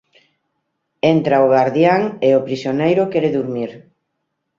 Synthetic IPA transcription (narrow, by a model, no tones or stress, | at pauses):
ent̪ɾaoɣaɾðjaŋeopɾisjonejɾʊkɛɾeðuɾmiɾ